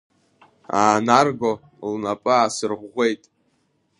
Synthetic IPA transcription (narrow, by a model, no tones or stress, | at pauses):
aːnarɡo | lnapʼɨasɨrʁːʷe̞jtʼ